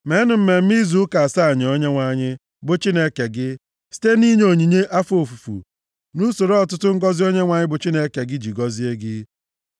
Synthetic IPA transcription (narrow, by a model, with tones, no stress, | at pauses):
me˨˦nʊ˨m̩˦me˨m̩˦mi˦zu˦ka˨a˨sa˦a˨ɲɪ˨o˦ɲe˦ŋʷa˨ɲɪ˦ | bʊ˨t͡ʃi˦ne˦ke˨ɡɪ˦ | si̥˦te˦ni˦ɲ˦o˨ɲi˨ɲe˦ʔa˦fo˨fu˨fṵ˨ | nu˦so˨ɾo˨˦ɔ˦˨tʊ˦tʊ˦ŋ̩˦ɡɔ˦zi˦o˦ɲe˦ŋʷa˨ɲɪ˦bʊ˨t͡ʃi˦ne˦ke˨ɡɪ˦d͡ʒi˨ɡɔ˦zi˦e˦ɡɪ˦